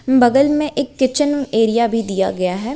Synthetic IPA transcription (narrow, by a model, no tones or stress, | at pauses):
bɐɡəlmẽʔeːkːɪt͡ʃəneːɾijabʱid̪ija̰ɡɐjaɦɛː